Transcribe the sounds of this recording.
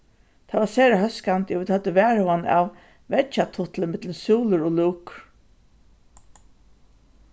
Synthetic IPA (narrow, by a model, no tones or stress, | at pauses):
t̪ʰavasɛːɾaɦœskant̪jʊvɪd̪had̪ːəʋɛːɹəwana̰w | ʋɛt͡ʃat̪ʰʊt̪ləmɪt̪ləsuːlʊɾɔluːk